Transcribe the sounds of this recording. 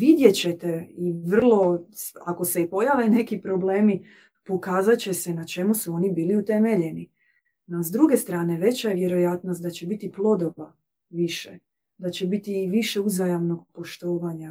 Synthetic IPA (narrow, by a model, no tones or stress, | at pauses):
ʋid̪je̞t͡ɕe̞t̪e̞iʋr̩lˠo̞a̰ko̞se̞ipo̞jaʋe̞ne̞kipɾo̞ble̞ːmi | pokaːzat͡ɕe̞senat͡ʃe̞musuo̞nibiːliut̪e̞me̞ʎe̞ni | nazd̪ɾuɡe̞st̪ɾaːne̞ʋe̞t͡ɕaʋje̞ɾo̞jat̪nost̪d̪at͡ɕebit̪iplˠo̞d̪oba | ʋiʃe | d̪at͡ɕebit̪iʋiʃe̞uzajamno̞ɡ̚po̞ʃt̪oːʋaɲa